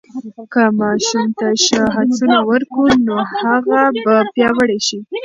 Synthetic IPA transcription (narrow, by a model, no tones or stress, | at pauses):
kamɑʃumt̪aʃəɦad̪unawəɾkunohaɣabapjɑwəɽeʃi